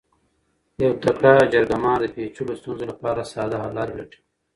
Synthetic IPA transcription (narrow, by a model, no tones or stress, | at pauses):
jɐwt̪ɐkɽad͡ʒɐɾɡamaːnd̪əpeːt͡ʃʰulost̪unzolapɑːɾasɑːd̪aɦalaːɾwḛʈʰi̥